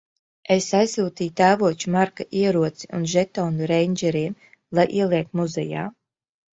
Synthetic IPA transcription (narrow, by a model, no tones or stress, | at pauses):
esajsuːt̪iːjt̪æːvuɔt͡ʃumaɾkaʔiɛɾuɔt̪si̥unʒɛt̪ɔːnuɾɛjnd͡ʒɛɾiːm | lˠajʔiɛlˠiɛk̚t̪muzɛ̰ja̰ː